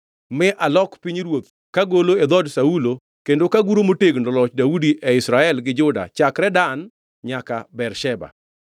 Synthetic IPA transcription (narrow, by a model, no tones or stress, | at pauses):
mɪʔalɔkpiɲɾwot̪̚ | kaɡoloed̪ɔdsaulo | kendokaɡuɾomoteɡnɔlɔt͡ʃdaudiʔɛɪsɾaɛlɡɪd͡ʒʊda̰t͡ʃakɾɛdan | ɲaka̰bɛɾʃɛba̰